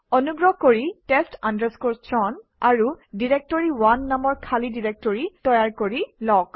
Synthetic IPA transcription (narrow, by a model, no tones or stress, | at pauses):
ɔnuɡɹɔkoɹitɛstandəskoɹstʰɹɔn | aɹudiɹek̚toɹiwanːamɔɹkʰalidiɹek̚tɔɹitɔjaɹkoɹilɔk